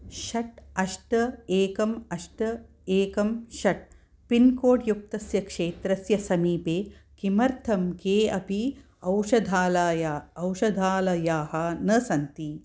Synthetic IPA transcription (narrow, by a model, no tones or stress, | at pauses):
ʃɐʈɐʂʈɐeːkɐmɐʂʈɐ | eːkɐmʃɐʈ̚ | pinkoːʈjuk̚t̪ɐsjɐkʂeːt̪ɾɐsjɐsɐmiːpeːkimɐɾt̪ʰɐmkeːɐpi | ɐwʂɐd̪ʱaːlaːjaɐwʃɐd̪ʱaːlɐjaːhɐnɐsɐnt̪i